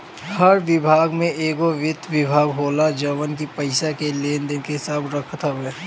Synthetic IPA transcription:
həɾʋɪbʱaːɡmẽʔeːɡoʋɪd̪ʋɪbʱaːɡɦoːlad͡ʒəʋənkipəɪsakeleːnd̪enkeɦɪsaːbɾəkʰt̪ɦɛː

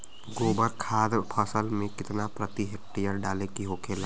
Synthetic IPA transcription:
ɡoːbəɾkʰaːd̪pʰəsəlmẽkɪt̪napɾət̪iɦeːk̚ʈijəɾɖaːlekiɦoːkʰeːla

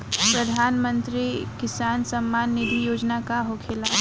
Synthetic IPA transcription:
pɾɐd̪ʱaːnmə̃nt̪ɾikɪsaːnsɐmːaːnːɪd̪ʱijoːd͡ʒnakaɦokʰeːlaː

